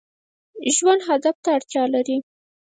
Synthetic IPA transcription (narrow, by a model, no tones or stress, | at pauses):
ʒwand̪ɦad̪aft̪aːɽt̪jɑlaɾi